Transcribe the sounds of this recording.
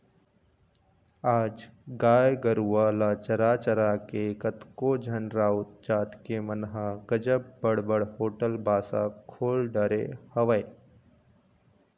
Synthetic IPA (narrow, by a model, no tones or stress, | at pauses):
aːd͡ʒɡaːjɡəɾuʋaːlat͡ʃɐɾaːt͡ʃəɾakekət̪kod͡ʒʱənɾaːʊt̪̚d͡ʒaːt̪kemənɦaɡ̥əd͡ʒəb̚bəɽ̤bəɽhoːʈəlbʱaːsakʰoːlɖəɾḛhɐʋəe